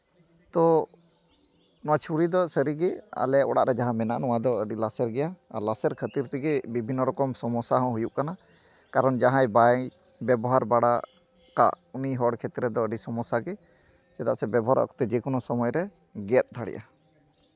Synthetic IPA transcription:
t̪ɔ | nɔwat͡ʃʰuɾid̪ɔsəɾiɡɛa̰lɛɔɽaʔɾɛd͡ʒaɦãmɛna̰ʔnɔwad̪ɔəɖilasɛɾɡɛjaa̰lasɛɾkʰət̪iɾt̪ɛɡɛbibʱinːɔɾɔkɔmsɔmɔsaɦɔ̃ɦujuʔkana | kaɾɔnd͡ʒaɦãjba | bɛbɔɦaɾbaɽa | ka̰ʔ | uniɦɔɽkʰɛt̪ɾɛd̪ɔəɖisɔmɔsaɡɛ | sɛt̪aʔsɛbɛbɔɦaɾɔ̰ɔ̰kɔ̥t̪ɛd͡ʒɛkɔnɔsɔmɔjɾɛ | ɡɛt̪̚ˀt̪ʰaɽɛ̰jʔa̰

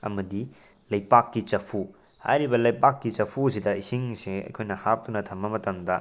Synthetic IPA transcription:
ɐ̰mɐdi | lɐjpakːit͡ʃɐpʰu | ha̰jɾibɐlɐjpakːit͡ʃɐpʰusidɐisiŋseɐ̰jkʰojnɐhap̚tunɐtʰɐmːɐmɐtɐmdɐ

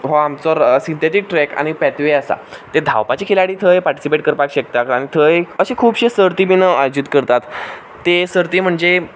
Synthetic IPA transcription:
ɦoamt͡sɔɾsint̪eʈ̪ik̚ʈɾɛka̰ɽ̃ipɛt̪ʋeasa̰t̪ed̪ʱa̰wpat͡ɕikʰilaɽiːt̪ʰəjepaɾʈi̥sipeʈkəɾpakɕek̚t̪akaɽ̃it̪ʰəjəɕekʰuːbɕesəɾt̪iminəajod͡ʑit̪kəɾt̪at̪ː | esəɾt̪iːm̤əɳd͡ze

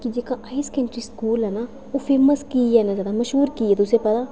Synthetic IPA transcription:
kid͡ʒeːkaʔaːiskə̃ɳʈɾiskuːlɦɛna | ofʰeːməskiɛːnazaːd̪aməʃɦuːɾkiɛːt̪ʊsepɐt̪aː

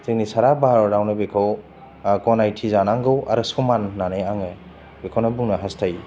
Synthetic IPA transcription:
z̥eŋnisaɾabaɾawnɯbekʰaw | kɔnajtʰizanaŋɡɯwʔa̰ɾɯsumanːaneaŋe | bekʰawnabuŋnaɦastʰaji

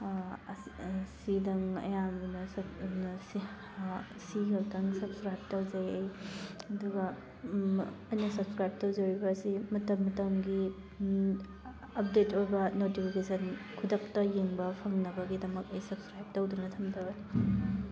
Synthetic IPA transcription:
sidɐŋɐ̰jamnɐss | siɡɐldɐŋsɐbskɾajb̚tɐwzajɐjɐduɡɐ | ɐjnɐsɐbskɾajb̚tɐwzɐwɾibɐːsimɐtɐmːɐtɐmɡi | ɐp̚detojbɐnotipʰikesɐnkʰudɐk̚tɐjeŋbɐpʰɐŋnɐbɐɡidɐmɐkɐjsɐbskɾajb̚tɐwdunɐtʰɐmdɐbɐni

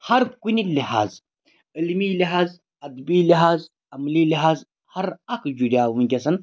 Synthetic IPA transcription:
hɐɾkuniliha̰ːz | ilmiːliɦaːz | ɐd̪biːliɦaːz | ɐmliːliɦaːz | hɐɾɐkʰd͡ʒuɾʲaːunɡʲɐsɐn

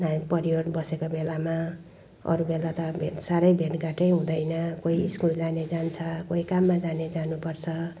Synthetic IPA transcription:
napʌɾijodbʌsekobelama | ʌ̰ɾubelat̪ʌbʱeʈsaɾʌjbʱeʈɡaʈʌjɦũd̪ʌjnʌkoiiskuld͡zaned͡zant͡sʰʌkoikamːad͡zaned͡zanupʌrt͡sʰʌ

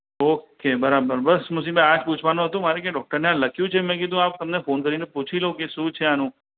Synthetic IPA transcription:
okebəɾabəɾbəsmusibaad͡ʒput͡ʃʰʋanũɦət̪ũmaɾekãɖɔk̚ʈəɾneãləkʰjũt͡ʃʰemɛ̃k̬ɪd̪ʱũap̚t̪əmnefonkəɾineput͡ʃʰilokeʃũt͡ʃʰeanũ

